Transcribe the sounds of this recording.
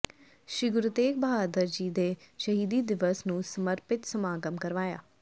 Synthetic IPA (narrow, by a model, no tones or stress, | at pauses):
ʃɾiɡʊɾʊt̪eːk̚bəɦaːd̪əɾd͡ʑiːd̪eːʃəɦiːd̪id̪ɪʋəsnũːsəməɾpɪt̪səmaːɡəmkəɾʋaːja̰ː